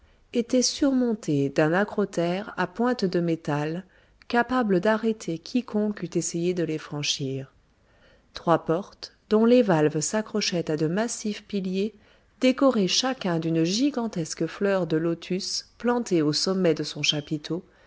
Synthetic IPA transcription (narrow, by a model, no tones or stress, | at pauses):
et̪ɛsyʁmɔ̃t̪ʰed̪ɛ̃nakχɔt̪ɛʁa̰pwɛ̃t̪d̪əmet̪al | kapabləd̪aʁet̪ʰekʲʰikʰɔ̃kyt̪esejed̪əlefχɑ̃ʃiːʁ | t̪χwapɔʁt̪ | d̪ɔ̃levalvsakχɔʃɛt̪ad̪əmasifpilje | d̪̥ekɔʁeʃakʲɛ̃d̪ynʒiɡɑ̃t̪ɛskəflœʁd̪əlot̪ʰysplɑ̃t̪eosɔmːɛd̪əsɔ̃ʃapit̪ʰo